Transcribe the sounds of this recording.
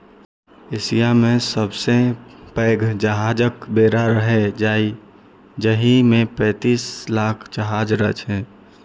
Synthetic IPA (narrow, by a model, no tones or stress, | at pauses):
eːsijamẽsəbsepɛːɡʱd͡ʒəɦaːd͡ʒəkbeːɾaɾəɦed͡ʒaːi | d͡ʒəɦimẽpɛ̃ːt̪iːslaːkʰd͡ʒəɦaːd͡ʒɾət͡ʃɦɛ̃ː